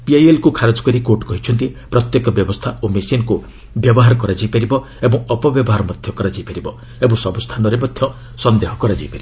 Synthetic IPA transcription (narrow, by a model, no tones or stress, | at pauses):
piajelkukʰaɾod͡ʒɔ̥kɔɾikoʈkɔɦit͡ʃʰɔnt̪ipɾɔt̪jekɔbjɔbɔst̪ʰaomesinku | bjɔbɔɦaɾɔkɔɾad͡ʒajpaɾibɔ | ebɔ̃ŋ̃ɔpɔbjɔbɔɦaɾɔmɔd̪ʱjɔkɔɾad͡ʒajpaɾibɔ | ebɔ̃sɔbust̪ʰanɔɾemɔd̪ʱjɔ | sɔnd̪eɦɔkɔɾad͡ʒaipaɾibɔ